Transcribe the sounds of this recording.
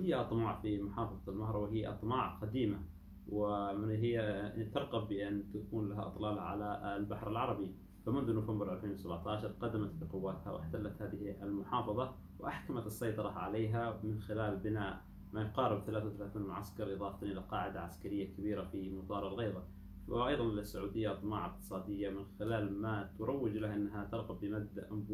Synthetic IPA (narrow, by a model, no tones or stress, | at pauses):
hɪjːaʔɑt̪ˤmɑːʕfimʊħɑːfɑðˤɑlmaɑhɾˤɑwɪɦɪjːaʔɑ̰t̪ˤmɑːʕqad̪iːma | wɪmɪɦɪjːat̪ɑɾˤɣɑbːɪʔɪnːt̪akuːnlaɦaʔɨ̰t̪ˤlɑːlʕa̰lalbaħɾalʕɑɾˤɑbi | famʊnðunʊfambɪɾˤʔalfeːnwɪsabʕt̪ɑːʕʃɑɾˤqɑd̪ːamat̪bɪqʊwːaːt̪ha̰wɪ̰ħt̪alːat̪haːðɪhʔalmʊħɑːfɑðˤɑ | wʔaħkamat̪ɑsˤːɑjt̪ˤɑɾˤɑʕa̰leːɦamɪnxɪlaːlbɪnaːʔ | majʊqɑːɾɪbθalaːθawθalaːθiːnmʊʕa̰skɑɾˤʔɨðˤɑːft̪nʔɪlaqɑːʕɪd̪aʕaskaɾɪjːakabiːɾafimʊt̪ˤɑːɾˤalɣɑːðˤɑ | wɪʔɑjðˤɑnlasːaʕuːd̪ɪjːaʔɑt̪ˤmɑ̰ːʕɪq̚t̪ɨ̥sˤɑːd̪ɪjːamɪnxɪlaːlmat̪ʊɾˤɑwːɪd͡ʒlahʔɪnːɦat̪ɑɾˤɣɑbːɪmad̪ːaʔamb